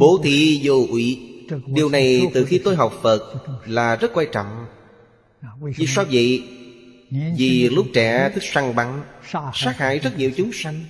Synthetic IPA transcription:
ɓo̰˧˩˦t̪ʰi˧˩zo˨˩ʔwḭ˧˨ɗi˨˩əwna˨˩jt̪ɨ˨˩xi˧t̪o˧jɦa˨˩wk͡p̚fə˨˩t̚laː˨˩zə˦˥t̚kwaː˧˩t͡ɕɔ̰˧˨wŋ͡m | zḭ˧˨swaː˧və̰˧˨j | vi˨˩lʊ˦˥k͡p̚t͡ɕɛ˧˩t̪ʰɨ˦˥k̚sa˧ŋɓa˨˦ŋ˧saː˦˥k̚ha̰ː˧˨jzə˦˥t̚ɲi˨əwt͡ɕʊ˨˦ŋ͡msa˧ŋ

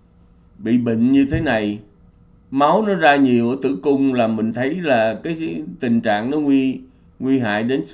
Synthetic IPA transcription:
ɓḭ˧˨ɓḭ˧˨ŋ̟ɲɨ˧t̪ʰe˨˦na˨˩j | ma˨˦wnɔ˨˦zaː˧ɲi˨˩əwʔə˧˦t̪ɨ̰˧˩kʊ˧ŋ͡mlaː˨˩mï˨˩ŋ̟t̪ʰə˨˦jlaː˨˩kaː˨˦jt̪ï˨˩ŋ̟t͡ɕa̰ː˧˨ŋnɔ˨˦ŋwi˧ | ŋwi˧ɦa̰ː˧˨jɗe˨˦n

